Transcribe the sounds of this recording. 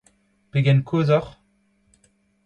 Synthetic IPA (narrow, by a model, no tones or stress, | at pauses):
peɡɛnkʰoːzɔʁ